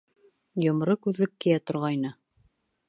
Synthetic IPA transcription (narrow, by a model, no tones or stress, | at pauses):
jŏmɾɤkʉðːɘkːijæt̪ŏɾʁɑjnɤ